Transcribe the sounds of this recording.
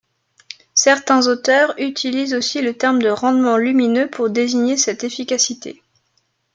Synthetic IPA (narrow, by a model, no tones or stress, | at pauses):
sɛʁt̪ɛ̃zot̪œʁyt̪ʰilizosilət̪ɛʁmd̪əʁɑ̃d̪mɑ̃lyminøpʰuʁd̪eziɲesɛt̪efikʲasit̪ḛ